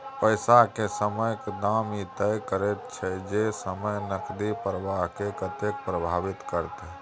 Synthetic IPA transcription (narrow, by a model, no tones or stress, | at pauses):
pəɪsaɦkesəməjkd̪amit̪əjkəɾet̪̚t͡ʃʰɛd͡ʒesəməjnəkd̪ipɾəʋaɦkekət̪ek̚pɾəbʱaʋit̪kəɾt̪